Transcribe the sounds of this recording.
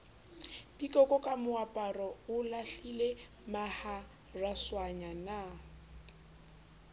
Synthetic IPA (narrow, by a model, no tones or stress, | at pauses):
pʼikʼɔkʼɔkʼamʊapʼarɔʊlaɬile | maha | raswaɲana